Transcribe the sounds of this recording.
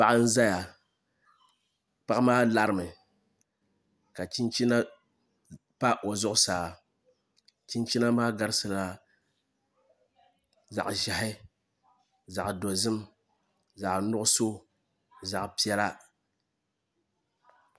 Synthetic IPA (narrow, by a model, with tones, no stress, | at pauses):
pa˦˨ʔɨ˦n̩˦za˦ja˨ | pa˦ʔmaː˦la˦ɾɨ˦˨mɨ˨ | ka˨t͡ʃi˦nt͡ʃi˦na˦ | pa˦ʔo˨zʊ˦ʔʊ˦saː˨ | t͡ʃi˦nt͡ʃi˦na˦maː˦ɡa˦ɾsɨ˨la˨ | za̰˨ʔʒɛ˨ɦɪ˦ | za˨ʔdo˨zɨ˦m | za˨ʔnʊ˦ʔʊ˦so˦ | za˨ʔpi˦ɛ˦la˦